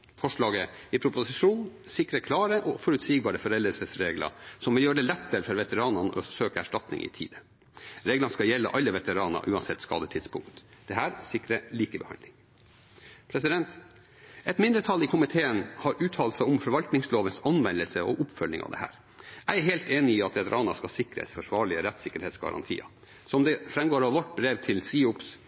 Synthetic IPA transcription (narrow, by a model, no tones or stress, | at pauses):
fɔʂɭɑːɡəɪpʰɾʊpʊsɪʂuːnsɪkɾəkʰlɑːɾəʔɔfɔɾʉt̪siːɡ̚bɑːɾəfɔɾɛld̪əlsəsɾeːɡlɑ̰sɔmʋɪljøːɾəɖ̪ɛlɛt̪ːəɾəfɔɾʋɛt̪əɾɑːnɑnəʔɔsøːkəæʂʈɑt̪nɪ̰ŋɪ̰t̪ʰḭːd̪ə | ɾeːɡlɑnskɑjɛlːə̰ʔɑlːəʋɛt̪əɾɑːnə̰ʔʉːɑnsɛt̪ːskɑ̰ːd̪ət̪ʰɪd̪spʰʊŋkt̪d̪̥ɛhæːɾsɪkɾəliːkəbəhɑ̰nd̪ɪŋ | pʰɾɛsɪd̪ɛnt̪ | ɛt̪mɪnd̪ɾət̪ʰɑlːɪkʰʊmɪt̪ʰeːənhɑɾʔʉːt̪ʰɑːlsɑɔmfɔɾʋɑlt̪nɪŋsloːʋənsɑnʋɛnd̪əlsəɔ̰ʔʊpfœlːɪ̰ŋʔɑ̰ʋd̪ɛ̰hæ̰ːɾ | ʔæɪæɾheːlt̪eːnɪiːɑt̪ʋɛt̪əɾʔɑːnɑskɑsɪkɾə̰sfɔʂʋɑːɭɪəɾɛt̪sɪkəɾheːt̪sɡɑ̰ɾɑ̰nt̪ʰḭːɑ̰ | sɔmd̪ɛfɾɛmɡoːɾɑʋʋɔʈbɾeːʋt̪ʰɪlsiːʊps